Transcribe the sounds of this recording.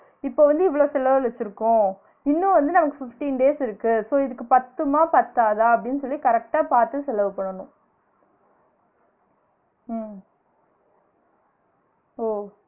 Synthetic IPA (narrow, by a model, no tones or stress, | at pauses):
ɪpːoːʋɐnd̪ɯɪʋːɐɭoːsɛlɐʋɐlɛt͡ʃːɪɾɯkːʊ̃ | ɪnːʊ̃ʋɐnd̪ɯnɐmɐkːɯfɪfʈiːnɖeːsɪɾɯkːɯsoːɪðɯkːɯpɐt̪ːɯmaːpɐt̪ːaːðaːɐpːɐɽɪnːɯsɔlːikɐɾɛk̚ʈaːpaːɾt̪ɯsɛlɐʋɐpɐɳːɐnʊ̃ | oː